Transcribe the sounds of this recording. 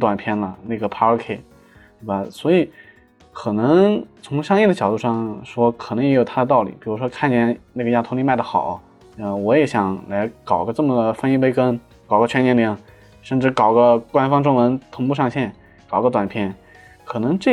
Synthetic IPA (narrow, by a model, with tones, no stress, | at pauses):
t̪wa˨˩npʰjɛ˥˩nlə˨na˥˩ɡə˩pʰa˥ə˞˧˥kʰe˧˩ | t̪e˥˩ba˨˩swɔ˧˥i˨˩˦ | kʰɤ˨˩nɤ˧˥ŋt͡sʰʊ˧˥ŋɕjɑ˥ŋi˥˩d̪ə˩t͡ɕjɑ˨˩ʊt̪u˥˧ʂɑ˥˩ŋʂwɔ˥kʰɤ˨˩nɤ˧˥ŋjɛ˧˥jo˨˩ʊt̪ʰa˥də˧ɑ˥˩ʊlḭ˨˩pi˨˩ɻu˧˥ʂwɔ˥kʰa˥˩nt͡ɕjɛ˥˩nna˥˩ɡə˩ja˥t̪ʰʊ˧˥ŋli˥ma˥˩ɪd̪ə˩xɑ˨˩˦ʊ | ə˥˧wɔ˧˥jɛ˧˥ɕjɑ˨˩˦ŋla˧˥ɪkɑ˨˩ʊɡə˧˦ʈ͡ʂɤ˥˩mə˩d̪ə˩fə˥i˥pe˥˧ɪkə˥n | kɑ˨˩ʊɡə˧t͡ɕʰɥɛ˥njɛ˧˥nt̪ji˧˩˥ŋ | ʂə˥˧nʈ͡ʂɻ̩˥˩kɑ˨˩ʊɡə˧kwa˥nfɑ˥ŋʈ͡ʂʊ˥ŋwə˧˥nt̪ʰʊ˧˥ŋpu˥˧ʂɑ˥˧ŋɕjɛ˥˩n | kɑ˨˩ʊɡə˧t̪wa˨˩npʰjɛ˥˩n | kʰɤ˨˩nɤ˧˥ŋʈ͡ʂɤ˥˩